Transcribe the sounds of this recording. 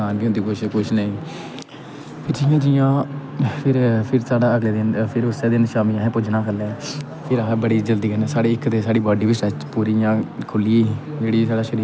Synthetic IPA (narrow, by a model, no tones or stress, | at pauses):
aːnkjõːnd̪iːkʊʃkʊʃnəĩː | pʰɪɾd͡ʒɪjãːd͡ʒɪjãːpʰɪɾpʰɪɾsaːɖaːəɡleːd̪ɪnpʰɪɾʊseːd̪ɪnʃaːmiːãːɦɛ̃ːpʊd͡ʒnãːkʰəlːeː | pʰɪɾabəɽiːd͡ʒəld̪iːkənɛ̃ːsaːɽeːɪkːt̪eːsaːɽiːbɔːɖiːʋisət͡ʃpuːɾiːjãːkʰʊliːiːd͡ʒeːɽiːs̬aːɖaːʃəɾiː